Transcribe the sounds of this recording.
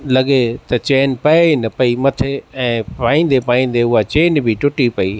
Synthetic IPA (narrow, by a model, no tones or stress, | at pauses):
lɐɠet̪ɐt͡ɕeːnpɐenɐpɐimɐt̪ʰeɛ̃ːpaːĩːn̆d̪epaːĩːn̆d̪eʊɦat͡ɕeːnbʱɪʈʊʈipɐiː